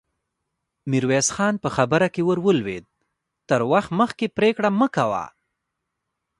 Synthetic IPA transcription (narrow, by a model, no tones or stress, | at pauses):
miɾwesxɑnpəxabəɾakewəɾwəlwḛd̪̚ | t̪əɾwaxt̪məxkepɾekɽaməkawa̰